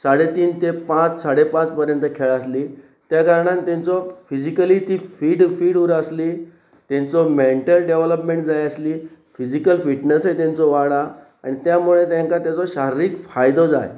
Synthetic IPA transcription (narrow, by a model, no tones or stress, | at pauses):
saɽet̪iːnt̪epãt͡ssaɽepãt͡spəɾjənt̪əkʰeɭasliː | t̪jakəɾɳãnt̪ẽnt͡sɔfid͡ʑikəliːt̪iːfiːɖfiːɽuɾəsliː | t̪ẽnt͡sɔmeɳʈəlɖeʋləpmẽɳʈd͡zajəsliːfid͡ʑikəlfiʈnəsɦet̪ẽnt͡sɔʋaɽa | a̰ɽ̃it̪jamuɭet̪̬ẽŋkat̪jat͡sɔɕaɾɾiːkfajd̪ɔd͡za̰j